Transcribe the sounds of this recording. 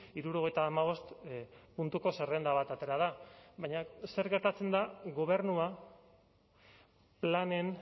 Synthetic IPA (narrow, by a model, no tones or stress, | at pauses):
iɾuɾo̞ɣ̞ejt̪aːmaβ̞o̞st̪ | punt̪uko̞serend̪aβ̞at̪at̪e̞ɾað̞aβajɲase̞ɾɣe̞ɾt̪at͡se̞nd̪aɣo̞β̞e̞ɾnua | plane̞n